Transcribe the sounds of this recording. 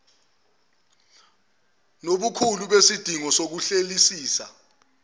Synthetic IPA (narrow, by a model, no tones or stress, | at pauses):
noɓukʰuluɓesid̥ʱiŋɔsok̬uɬelisiːsa